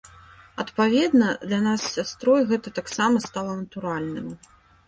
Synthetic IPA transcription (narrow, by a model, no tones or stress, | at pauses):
ɐt̪pavʲɛd̪nɐd̪lʲanasːʲast̪ɾɔjɣɛt̪ɐt̪aksamɐst̪alˠɐnɐt̪uɾalʲnɨm